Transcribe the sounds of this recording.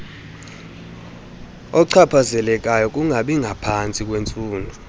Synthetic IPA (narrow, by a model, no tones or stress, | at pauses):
ɔǀʰapʰazɛlɛk̬ʼajɔkʼuŋʱaɓiŋɡʱapʰant͡sʼik̬ʼwent͡sʼuːndʱu